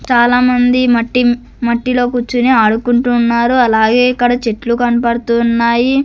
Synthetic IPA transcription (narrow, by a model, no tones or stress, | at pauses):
t͡ʃaːlaːmɐnd̪imɐʈːi | mɐʈːilo̞ːkut͡ʃːuneaːɽukuɳʈuːnːaːɾuɐlaːɡe̞ːikːɐɽɐt͡ʃeʈlukɐnpɐɽt̪unːaːji